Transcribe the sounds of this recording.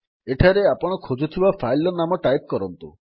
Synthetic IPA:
eʈʰaɾeapɔɽ̃ɔkʰod͡ʒut̪ʰibapʰajlɔnamɔʈajp̚kɔɾɔnt̪u

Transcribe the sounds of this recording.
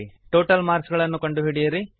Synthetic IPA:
ʈoːʈɐlmaːɾsɡɐɭɐnːukɐɳɖuɦiɽijɐɾi

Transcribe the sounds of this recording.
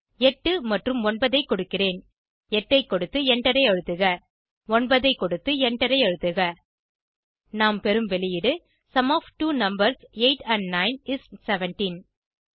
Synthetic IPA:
ɛʈːɯmɐʈrɯmɔnbɐðɐɪkːɔɽɯkːɪreːn | ɛʈːɐɪkːɔɽɯt̪ːɯɛɳɖɐɾɐɪɐɻɯt̪ːɯɣɐ | ɔnbɐðɐɪkːɔɽɯt̪ːɯɛɳɖɐɾɐɪɐɻɯt̪ːɯɣɐ | naːmpɛɾɯmʋɛlɪjɪɽɯ | sɐmoːfʈuːnɐmbɐɾseɪʈɐɳɖnɐɪnɪssɛʋɛnʈin

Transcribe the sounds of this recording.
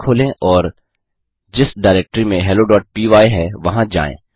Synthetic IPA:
kʰoːlẽʔɔːɾ | d͡ʒɪsɖaːɪɾɛːk̚ʈɾimẽɦɛːloɖɔːʈ̚piːʋaːeɦɛʋɐɦãd͡ʒa̰ːḛ̃ː

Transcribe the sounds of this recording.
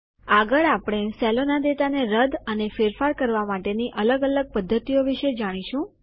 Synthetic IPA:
aɡəɭapɽ̃esɛlonad̪et̪aneɾəd̪ʱənefeɾfaɾkəɾʋamaʈeniʔələɡələɡ̚pəd̪ʱːət̪ioʋiʃed͡ʒaɽ̃iʃũ

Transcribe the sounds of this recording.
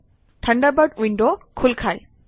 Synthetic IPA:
ʈʰəɳɖabəʈwiɳɖokʰulkʰaj

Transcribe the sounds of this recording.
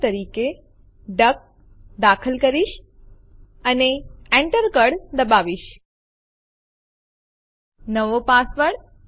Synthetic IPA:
t̪əɾike | ɖək̚ | d̪akʰəlkəɾiʃ | əneeɳʈəɾkəɽd̪əbaʋiʃ | nəʋopasʋəɽ

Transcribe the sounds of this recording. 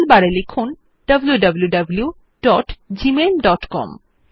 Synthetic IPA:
lbaɽelekʰun | ɖɐbljuɖɐbljuɖɐblju | ɖɔʈd͡ʑimelɖɔʈkɔ̰m

